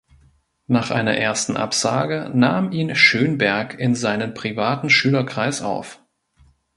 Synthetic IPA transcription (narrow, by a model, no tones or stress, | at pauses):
naːχʔa̰ɪnɐ̰ʔeːɐstn̩ʔa̰pz̥aːɡənaːmʔiːnʃøːnbɛɐkʰɪnzaɪnənpʁ̥ivaːtn̩ʃyːlɐkʁ̥aɪsʔa̰ʊf